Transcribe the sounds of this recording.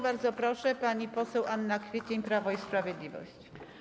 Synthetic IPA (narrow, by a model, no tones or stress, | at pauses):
baɾd̪zɔpɾɔʂɛpaɲipɔsɛwʔanːakfʲjet͡ɕeɲpɾavɔispɾavʲjɛd̪lʲivɔ̰ɕt͡ɕ